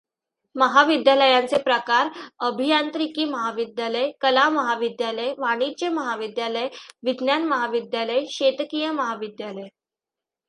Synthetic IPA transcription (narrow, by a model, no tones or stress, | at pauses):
məɦaʋid̪jaləjant͡sepɾəkaɾəbʱijant̪ɾikiːməɦaʋid̪jaləjkəlaməɦaʋid̪jaləjʋaɽ̃id͡ʑjəməɦaʋid̪jaləjʋid̪njanməɦaʋid̪jaləjɕet̪kijəməɦaʋid̪jaləj